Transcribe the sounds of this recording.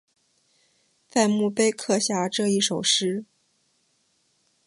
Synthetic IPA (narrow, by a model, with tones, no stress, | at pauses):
fa˥˧nmu˥˩pe˥˧ɪkʰɤ˥˧ɕja˥˧ʈ͡ʂɤ˥˧i˥˩ʂo˨˩ʊʂɻ̩˥